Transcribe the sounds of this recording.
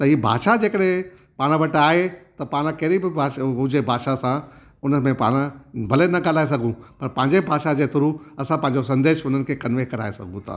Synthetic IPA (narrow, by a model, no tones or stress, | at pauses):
t̪ɐɦiːbʱa̰ːʃad͡ʑeːkəɗɦẽ | paːɽ̃ʋɐʈaːɦet̪ɐpaːɽ̃əkɐɪɾibɪbʱaːɦʊd͡ʑebʱaːʃasã | ʊnəmẽpa̰ːɽ̃əbʱɐlenɐɠaːlaːes̬ɐɡʱũpɐɾpɐ̃ɦɪ̃ɲd͡ʑebʱaːʃad͡ʑeːt̪ʰʊɾuɐsãpɐ̃ɦɪ̃ɲd͡ʑosɐ̃nd̪eːʃʊn̤ənɪ̆kʰeːkɐnʋeːkɐɾa̰ːesɐ̰ɡʱũt̪ʰa̰ː